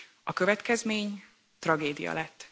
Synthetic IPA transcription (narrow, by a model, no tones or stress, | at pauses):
ɒkøvɛt̪kɛzmeːɲ | t̪rɒɡeːd̪ḭjɒ̰lɛt̪ː